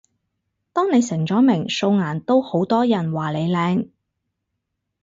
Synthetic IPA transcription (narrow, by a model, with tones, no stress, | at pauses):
t̪ɔː˥ŋne˨˧jsɪ˨˩ŋt͡sɔː˨˥mɪ˨˩ŋso˧wŋaː˨˩nt̪o˥who˨˥wt̪ɔː˥jɐ˨˩nwaː˨le˨˧jlɛː˨˧ŋ